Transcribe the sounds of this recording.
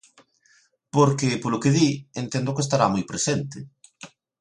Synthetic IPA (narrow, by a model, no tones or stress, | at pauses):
poɾkɪpolʊkeðient̪end̪ʊkest̪aɾamojpɾesent̪ɪ